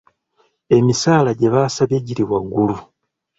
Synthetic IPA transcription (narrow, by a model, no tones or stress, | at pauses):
e̞misaːlaɟeβaːsaβeɟiɾiβwaɡːulu